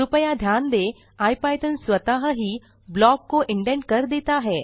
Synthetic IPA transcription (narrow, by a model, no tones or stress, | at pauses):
ʊpəjad̪ʱjaːnd̪eː | aːjpaːjʈ̪ənsʋət̪aːɦəɦiː | blɔːkːoʔɪ̃ɳʈẽɳʈkɐɾd̪eːt̪aɦɛː